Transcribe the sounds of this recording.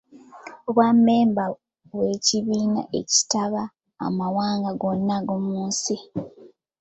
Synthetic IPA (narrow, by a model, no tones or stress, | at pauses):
oβwamːe̞ːmba | we̞ːciβiːna̰ʔe̞ci̥taβa̰ː | mawaːŋɡaɡo̞nːaɡomuːnsi